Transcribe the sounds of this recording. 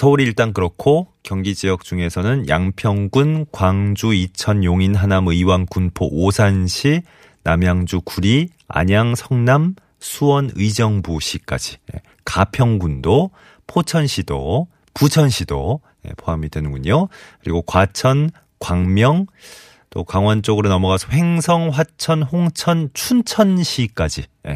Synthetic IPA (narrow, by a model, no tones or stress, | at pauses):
sʰʌuɾiːɭt͈aŋkɯɾʌkʰokjʌŋɡid͡ʑijʌk̚t͡ɕ͈uŋe̞sʰʌnɯnjaŋpʰjʌŋɡunkwaŋd͡ʑuit͡ɕʰʌnjoŋinɦanamɯiwankunpʰoʔːsʰanɕʰi | namjaŋd͡ʑukuɾi | a̰ɲaŋsʰʌŋnam | sʰuwʌnɯid͡ʑʌŋbuɕʰik͈a̰d͡ʑijḛ | kapʰjʌŋɡundo | pʰot͡ɕʰʌnɕʰido | put͡ɕʰʌnɕʰido | je̞̰pʰoɦamidwe̞nɯŋɡuɲokɯɾiɡokwat͡ɕʰʌn | kwaŋmjʌŋ | t͈okwaŋwant͡ɕ͈oɡɯɾonʌmʌɡasʰʌɸe̞ŋsʰʌŋɸwat͡ɕʰʌnhoŋt͡ɕʰʌnt͡ɕʰunt͡ɕʰʌnɕʰik͈ad͡ʑijḛ